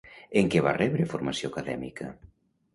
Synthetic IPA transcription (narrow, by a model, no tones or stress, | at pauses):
eŋkeβa̰rɛβɾefoɾmasjokaðɛ̰mḭkɐ̰